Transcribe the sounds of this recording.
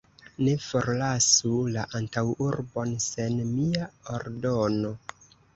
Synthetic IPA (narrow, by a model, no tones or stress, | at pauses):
ne̞fo̞ɾlasulaʔantawuɾbo̞nse̞nmiaoɾdo̞no̞